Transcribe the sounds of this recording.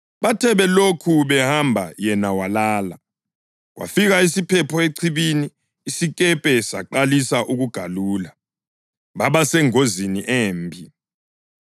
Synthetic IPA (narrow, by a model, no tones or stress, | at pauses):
βatʰɛβɛlokʰuβɛhambʱa̰jɛnawalaːla | ɣwa̰fiɣaisipʰɛpʰɔeǀʰiβiniː | sikʼɛpʼɛsaǃalisaʔuɣuɡ̥ʱaluːla | βaβasɛŋoziniʔeːmbʱi